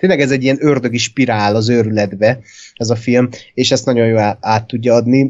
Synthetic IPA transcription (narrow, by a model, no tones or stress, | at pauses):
t̪eːnlɛɡɛzɛɟːijɛnørd̪ø̞ɡiʃpiɾaːlɒzøɾylɛd̪bɛɛzɒfilmeːʃɛst̪ɒɟo̞jjoːlaːt̪ːuɟːɒɒd̪ni